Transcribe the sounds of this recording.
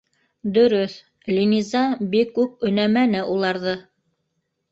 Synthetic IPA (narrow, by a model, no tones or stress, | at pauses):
d̪ɵ̆ɾɵθ | lʲinizɑbikːʉp̚ɵ̆næmænɘʔulˠɑɾðɤ